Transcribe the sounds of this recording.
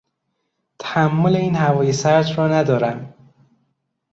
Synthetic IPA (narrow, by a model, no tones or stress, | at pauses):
t̪ʰæhæmːoleiːnhævɒːjesæɾd͡ʒ̪ɾɒːnæd̪ɒːɾæm